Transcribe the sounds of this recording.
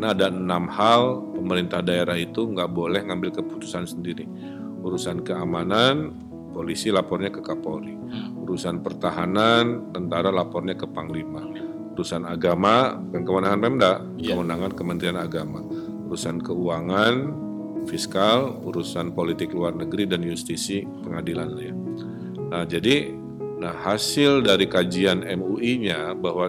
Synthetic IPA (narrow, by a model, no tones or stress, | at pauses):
knaːdanamhalpəməɾint̪ahdaeɾahit̪uŋɡaʔbolɛhŋambɪlkəput̪u̥sansəndiɾi | uɾusankəamanan | polisilapɔrɲakəkapoɾi | uɾusanpərt̪aɦanant̪ənt̪aɾalapɔrɲakəpaŋlima | uɾusanaɡama | kankəmanaɦanpɛmdaʔ | kəmənaŋankəmənt̪ɾianaɡama | uɾusankəuaŋan | fiskaluɾusanpolit̪ɪkluarnəɡɾidanjust̪isi | pəŋadilanlahja | nahd͡ʒadi | nahhasɪldaɾikad͡ʒianɛmuʔiɲabaɦwa